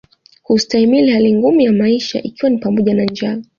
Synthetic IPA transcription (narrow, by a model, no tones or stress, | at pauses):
hustaimilihaliŋɡumujamaiʃa̰ʔikiwanipamɔʄanand͡ʒa